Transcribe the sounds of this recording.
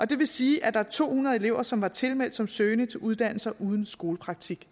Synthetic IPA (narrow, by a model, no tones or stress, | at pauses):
ʔɒ̽d̥e̝ʋe̝siːæd̥ɑ̈æɐt͡sʰo̝̰ːhunɐðˠe̝le̝ʊ̰ɐsɒ̽mʋɑ̈t͡sʰe̝lmel̰d̥sɒ̽msøːnət͡sʰe̝lʔuð̞ˠd̥æn̰l̩sɐʔuð̞ˠn̩sɡ̥o̝ːləpʰʁɑ̈ɡ̥̚t͡sʰiɡ̥